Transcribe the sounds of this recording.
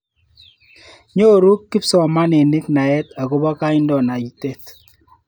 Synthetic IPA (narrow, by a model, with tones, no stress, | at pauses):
ɲo˦˨ɾu˦kːɪ˦psɔ˨ma˦ne˨nɪ˦kna˨ɛ˦t̪a˨ko˦bɔ˦ka˦ɪ˦ndɔ˨na˨i˦te˦t